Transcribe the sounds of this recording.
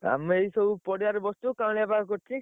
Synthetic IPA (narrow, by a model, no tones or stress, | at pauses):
a̰meisɔbupɔɽijaɾebɔst̪ukãabakɔɾt͡ʃʰi